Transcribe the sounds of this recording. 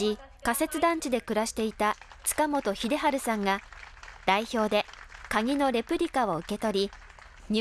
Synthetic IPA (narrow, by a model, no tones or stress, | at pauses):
i | kase̞t͡sɨd̪ãɲ̟t͡ɕid̪e̞kɯ̟ɾaɕi̥t̪e̞it̪a | t͡sɨ̥kamo̞t̪o̞çid̪e̞ɦaɾɯ̟sãŋɡad̪̥aiço̞ːd̪e̞kaɡʲino̞ɾʲe̞pɯ̟ɾʲikao̞ɯ̟ke̞t̪o̞ɾʲi | ɲ